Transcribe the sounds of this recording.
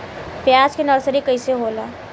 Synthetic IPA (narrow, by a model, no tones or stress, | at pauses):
pjaːd͡ʒkenəɾsəɾikɐiseɦoːlaː